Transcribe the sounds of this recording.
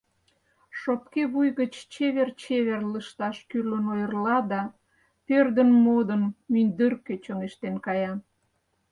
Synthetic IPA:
ʃopkeβujɣət͡ɕt͡ɕeβert͡ɕeβerləʃt̪ɑʃkylənojərlɑd̪ɑ | pørd̪ənmod̪ənmynd̪ərket͡ɕəŋeʃt̪enkɑjɑ

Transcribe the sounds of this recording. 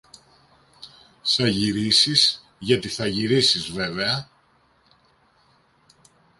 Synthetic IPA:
θɐʝiɾisiz̥ | ʝɐt̪iθɐʝiɾisizve̞veɐ

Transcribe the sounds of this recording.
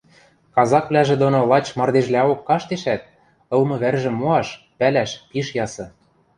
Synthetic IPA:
kɑzɑkβlæʒĕd̪onolɑt͡ɕmɑrd̪eʒlæokːɑʃt̪eʃæt̪̚ | ɤ̆lmɤ̆βærʒɘ̆mːoɑʃ | pælæʃpiʃjɑsɤ̆

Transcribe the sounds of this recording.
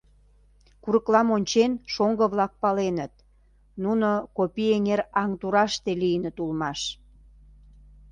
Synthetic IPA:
kuɾəklɑmonʲt͡ɕenʃoŋɡəβlɑk̚pɑlenət̪̚ | nunokopieŋeɾɑŋt̪uɾɑʃt̪elijənət̪ulmɑʃ

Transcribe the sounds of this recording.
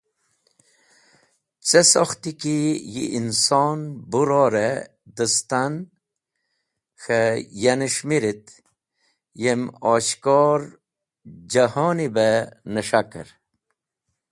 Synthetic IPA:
t͡sesoxt̪ikijḭːnsoːnbuɾoːɾe | d̪əst̪an | xəjanəʃmiɾit̪ | jemoːɕkɔɾ | d͡ʑɐhɔnibenəʂakə̰ɾ

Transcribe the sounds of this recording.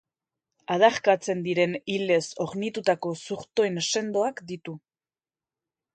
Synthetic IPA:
að̞aɾkat͡se̞nd̪iɾe̞nile̞so̞ɣnit̪ut̪ako̞suɾt̪o̞ense̞nd̪o̞akd̪it̪u

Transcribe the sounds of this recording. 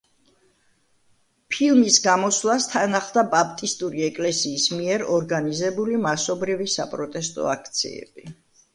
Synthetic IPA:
pʰilˠmisɡamɔswlˠast̪ʰanaχd̪abapʰt̪ʼist̪ʼuɾiɛkʼlɛsiːsmiɛɾɔɾɡanizɛbulimasɔbɾivisa̰pʼɾɔt̪ʼɛst̪ʼɔ̰akʰt̪sʰḭɛ̰b̥i

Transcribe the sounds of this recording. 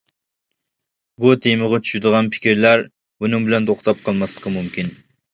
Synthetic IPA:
but̪ʰejməʁɑt͡ʃʰy̥ʃɪd̪əʁɑnpʰɪ̥kʲiɾlæɾ | bunɨŋbɪlɛnt̪ʰoχt̪ʰɑp̚qʰɑlˠmɑslˠəqʰəmumkʲin

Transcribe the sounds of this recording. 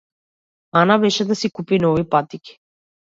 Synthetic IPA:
anavɛʃɛd̪asikupinɔvipat̪iki̥

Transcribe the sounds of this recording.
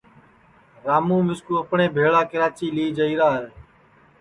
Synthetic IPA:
ɾaːmuːmɪskuːəpɳẽːbʱeːɭaːkɪɾaːt͡ʃiːliːd͡ʒəiːɾaːɦəɾ

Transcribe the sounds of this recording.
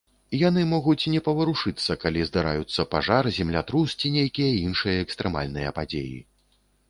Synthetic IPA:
janɨmɔɣut͡sʲnʲɛpɐvɐɾuʂɨt̪sːɐkalʲizd̪aɾa̰jut̪sːɐpaʐarzʲɛmlʲat̪ɾust͡sʲinʲejkʲijɐinʂɨjɐɛkst̪ɾɛma̰lʲnɨjɐpad͡zʲḛjḭ

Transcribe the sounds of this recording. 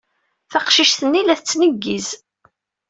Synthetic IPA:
θɑqʃiʃθənːilæθət͡sːnəɡːiz

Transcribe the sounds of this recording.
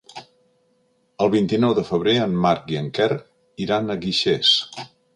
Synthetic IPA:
əlˠβint̪inɔwðəfəβ̞ɾeənːaɾk̚ɡiəŋkɛr | iɾanəɣiʃes

